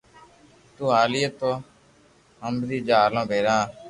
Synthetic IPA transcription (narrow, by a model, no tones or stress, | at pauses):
t̪uːaːlijət̪oː | ɦəmbd̪iːd͡ʒaːlõːbeːɾãː